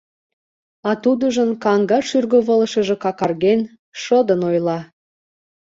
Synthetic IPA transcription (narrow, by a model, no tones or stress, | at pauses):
ɑt̪ud̪əʒə̆nkɑŋɡɑʃyrɣəβə̆lə̆ʃə̆ʒĕkɑkɑrɣen | ʃəd̪ənojlˠɑ